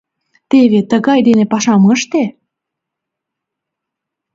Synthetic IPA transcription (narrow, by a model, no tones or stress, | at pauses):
t̪eβet̪əɣɑjd̪enepɑʃɑməʃt̪e